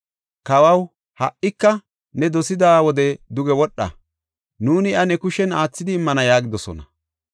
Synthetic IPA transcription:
kɐwɐw | hɐʔɪkːɐ | nɛd̪ɔsɪd̪aːwɔd̪ɛd̪ʊɡɛwɔɗːɐ̰ | nuːnɪɐnɛkʊʃɛnaːt͡sːɪd̪ɪːmːɐnɐjaːɡɪd̪ɔsɔ̰nɐ

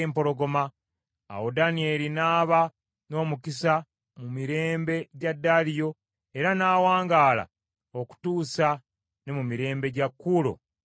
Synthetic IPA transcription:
mpo̞ɾo̞ɡo̞ma̰ː | wodanie̞linaːβa | no̞ːmukisa | mumiɾe̞ːmbe̞ɟadːaːlijo̞ | e̞ɾanaːwaːŋɡaːla̰ | o̞ku̥tuːsa | ne̞mumiɾe̞ːmbe̞ɟakːuːlo̰

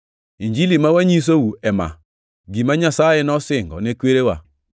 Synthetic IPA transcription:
iɲd͡ʒilimawaɲis̬owuɛma̰ | ɡimaɲasajenɔsɪŋɡɔ̰nekweɾewa

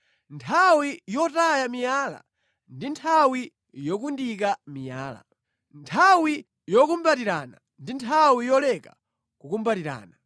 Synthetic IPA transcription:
ntʰawijɔtajamijaːla̰ | ndintʰawi | jɔkundikamijaːla̰ | ntʰawi | jɔkumbatiɾana̰ | ndintʰawijɔlɛka | kukumbatiɾa̰ːna

